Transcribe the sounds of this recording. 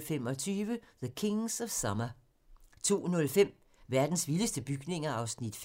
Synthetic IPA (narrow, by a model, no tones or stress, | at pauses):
femɒ̽t͡sʰyːʋəðəkʰe̝ŋsɒ̽ʋ̥sɑmɐ | t͡sʰo̝̰ːnɔ̽lfem̰ | ʋæɐd̥n̩sʋiləsd̥əb̥yɡ̥ne̝ŋɐɑ̈ʊsnid̥f